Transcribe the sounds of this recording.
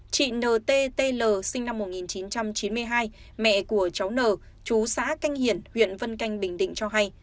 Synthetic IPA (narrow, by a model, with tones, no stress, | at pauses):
t͡ɕḭ˧˨nəː˨˩t̪e˧t̪e˧ləː˨˩sï˧ŋ̟na˧mːo˨˩t̚ŋi˨˩nt͡ɕi˨˦nt͡ɕa˧mt͡ɕi˨˦nmɨ˧əjɦaː˧j | mɛ̰˧˨ku˧˩ət͡ɕa˨˦wnəː˨˩ | t͡ɕu˨˦sa̰ː˧˥ka˧jŋ̟hi˧˩ənhwḭ˧˨ənvə˧nka˧jŋ̟ɓï˨˩ŋ̟ɗḭ̈˧˨ŋ̟t͡ɕɔ˧ɦa˧j